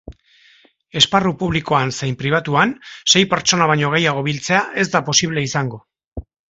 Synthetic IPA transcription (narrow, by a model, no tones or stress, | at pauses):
e̞sparupuβliko̞ansejmpɾiβ̞at̪uanse̞jpe̞ɾt͡ʃo̞naβ̞aɲo̞ɣ̞ejaɣ̞o̞β̞ilt͡se̞aʔe̞zd̪apo̞siβ̞le̞isaŋɡo̞